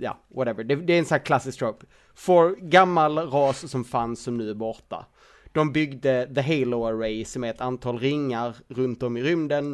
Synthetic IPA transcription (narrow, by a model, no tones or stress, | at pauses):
jɑ̰ː | wɔɾɛvəɖɛd̪ɛːɾɛnsɔnæːkʰlasɪskt̪ʰɾop | fɔɾɡamːalɾɑːssɔmfansːɔmnʉ̟ːæɾbɔɾʈ̪a̰ | d̪̥ɔmbʏɡd̪əðəɦɛɪloaɾeɪsɔmæɾɛt̪ant̪ʰɑːlɾɪŋːaɾɾɵnt̪ɔmɪɾʏmd̪ən